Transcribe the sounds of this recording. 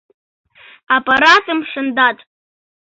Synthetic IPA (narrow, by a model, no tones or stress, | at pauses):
apʼaɾatʼɨmʂɨndatʼ